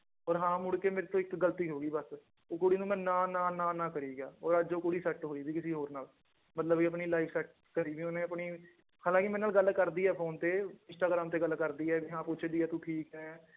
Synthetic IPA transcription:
ɔːɾɦãːmʊɽkeːmeːɾeːt̪õːɪkɡəlt̪iːɦoːɡiːbəs | okʊɽiːnũːmɛ̃ːnãːnãːnãːnãːkəɾiːɡaːɔːɾəd͡ʒd͡ʒoːkʊɽiːsɛʈɦoːiːbiːkɪsiːɦoːɾnaːl | mət̪ləbiəpɳiːlaːiːpʰsɛʈ̚ | kəɾiːʋiːonẽːəpɳiː | haːlãːkɪmɛ̃ːnaːlɡəlkəɾd̪iːɛːpʰoːnt̪eːɪ̃nsʈaːɡɾaːmt̪eːɡəlːkəɾd̪iːɛːʋiːɦãːpʊt͡ʃʰd̪iːɛːt̪ũːʈʰiːkɦɛː

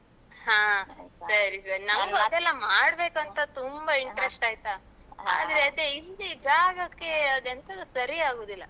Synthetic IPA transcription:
hãːsɐɾisɐɾinɐmɡuɐd̪ɛlːɐmaːɽbe̞ːkuɐnt̪ɐt̪umbɐiɳʈɾesʈaːjt̪a | a̰ːd̪ɾeɐd̪eild̪uid̪ʱaːɡɐkːeɐd̪ent̪ɐd̪usɐɾiaːɡoːd̪ilːɐ

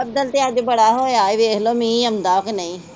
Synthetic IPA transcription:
əb̚d̪əlt̪eːəd͡ʒbəɽaːɦoːeaːiʋeːkloːmĩːəmd̪aːknəĩː

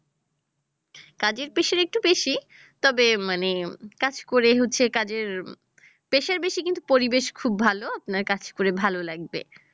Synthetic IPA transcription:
kad͡ʑeɾpeʃeɾek̚ʈubeʃi | t̪ɔbemanekad͡ʑkoɾeɦotːɕʰekad͡ʑeɾ | peʃeɾbeʃikint̪upoɾibeʃkʰubːbʱaloapnaɾkat͡ɕʰkoɾebʱalolaɡbḛ

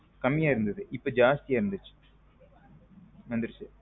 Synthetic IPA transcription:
kɐmːijaːjiɾund̪ɐðɨʔipːoːd͡ʑaːst̪ijaːjiɾund̪it͡ɕːɨ̥ | mɐnd̪ɾit͡ɕːɨ

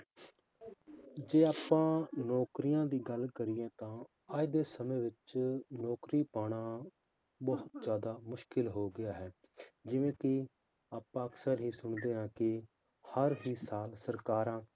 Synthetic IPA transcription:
d͡ʒeːaːpːãːnɔːkɾɪjãːd̪iːɡəlkəɾɪjẽːt̪ãː | aːid̪eːsəmẽːʋɪt͡ʃnɔːkɾiːpaːɽ̃aː | bəɦʊt̪d͡ʒjaːd̪aːmʊʃkɪlɦoːɡɪjaːɦɛː | d͡ʒɪʋẽːkɪ | aːpãːəksəɾɦiːsʊɳd̪eːɦãːkɪ | həɾɦiːsaːlsəɾkaːɾãː

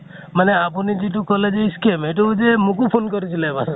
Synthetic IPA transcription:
maneapunid͡ʒiʈ̬ukɔled͡ʒeiskemejʈ̬ud͡ʒemũkupʰonkɔɾit͡ʃʰilabas

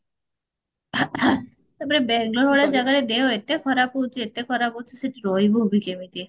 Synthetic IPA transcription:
t̪epɔɾebɛɡloɾɔɭeɾd͡ʒaɡaɾed̪eoet̪ekʰɔɾapowt͡ʃʰiet̪ekʰɔɾapot͡ʃʰiseʈiɾɔibobʱikemit̪i

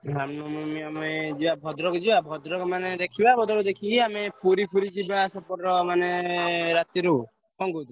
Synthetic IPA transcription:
ɾamnɔmɔmiamed͡ʒibabʱɔd̪ɾɔkɔd͡ʒibabʱɔd̪ɾɔkɔmaned̪ekʰibabɔd̪ɔɾud̪ekʰiamepuɾipʰuɾid͡ʒibasɔpɔɾɔmaneɾat̪iɾu | ɔŋɡud̪u

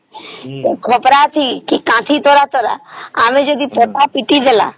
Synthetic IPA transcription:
ekʰoːpɾaːt̪ʰiːkikãːt̪ʰiːt̪oːɾaːt̪oːɾa̰ːaːmẽːd͡ʒod̪iːpot̪aːpiʈid̪ela̰ː

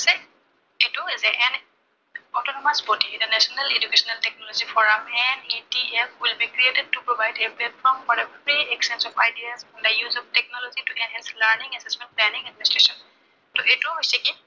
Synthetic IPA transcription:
sɛ | etuizɛʔɛn | ɔtɔnɔmasbɔdid̪ənɛsɔnaled͡ʒukesɔnaltɛk̚nɔlɔzifɔɹamɛnitiɛfwilbikɹietɛd̚tupɹɔvajdeplɛtfɔɹmfɔɹdəfɹiɛksɛ̃nsɔfajdiazɛ̃ndəjuzɔftɛk̚nɔlɔzituʔɛ̃nɦɛ̃nsləɹnĩŋɛsɛsmɛ̃nt̚plɛnĩŋɛd̚ministɹesɔ̃n | tɔʔetuɦojsɛki

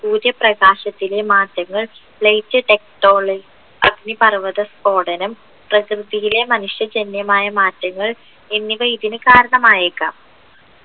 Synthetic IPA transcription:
puːɾjɐprɐɡaːɕɐt̪ːilemaːtːɐŋːɐɭ | ɭɐjt͡ɕːɨʈe̞k̚ʈo̞ːɭɐɡ | ɐ̰ɡnipɐrʋɐðɐsko̞ːɽɐnɐm | prɐkrɨðijile̞mɐnuʂjɐd͡ʑenjɐmaːjɐmaːtːɐŋːɐɭ | e̞nːiʋɐjd̪inɨkaːɾɐɳɐmaːjekːa̰ːm

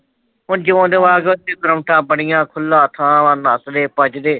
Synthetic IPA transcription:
ɦʊnd͡ʒɪõːd̪eːʋaːɡt̪eːkəɾəmʈãːbəɳɪjãːkʰʊlːãːt̪ʰãːʋanasd̪eːpət͡ʃd̪eː

